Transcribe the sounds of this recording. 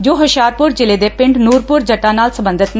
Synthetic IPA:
d͡ʒoːɦəʃaːɾpʊɾd͡ʒɪleːd̪eːpɪ̃ɳɖnuːɾpʊɾd͡ʒəʈːãːnaːlsəbə̃nd̪ʱət̪n

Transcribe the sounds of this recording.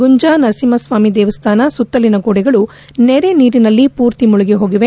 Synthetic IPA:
ɡuɲd͡ʒaːnɐsimɐsʋaːmid̪eːʋɐst̪ʰaːnɐsut̪ːɐlinɐɡoːɽɛɡɐɭu | neɾeniːɾinɐlːipuːɾt̪imuɭuɡeɦo̞ːɡiʋe

